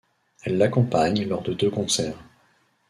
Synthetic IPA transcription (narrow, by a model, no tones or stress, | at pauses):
ɛlːakɔ̃paɲlɔʁd̪əd̪økɔ̃sɛːʁ